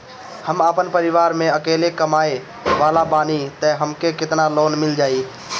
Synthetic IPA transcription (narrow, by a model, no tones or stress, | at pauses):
həmaːpənpəɾɪʋaːɾmẽɐkeːlekəmaːe | ʋaːlabaːnit̪ə̃ɦəmkekɪt̪naloːnmɪld͡ʒaːiː